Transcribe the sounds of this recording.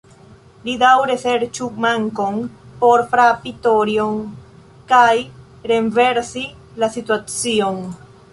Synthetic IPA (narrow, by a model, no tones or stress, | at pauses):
lidawɾeseɾt͡ʃukmaŋko̞npo̞ɾfɾapitoɾjoŋ | kaj | ɾe̞nveɾsi | lasituat͡sion